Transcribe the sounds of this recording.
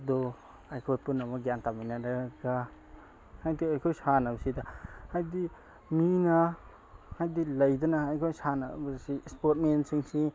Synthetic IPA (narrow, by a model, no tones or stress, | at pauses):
d̪ɔ | ajkʰojpunamaɡjantamijnaɾaɡa | hajdiajkʰojsanabɐsidahajdi | mina | hajdilɐjdɐnahajkʰojsana̰bɐsispot̚mensiŋsi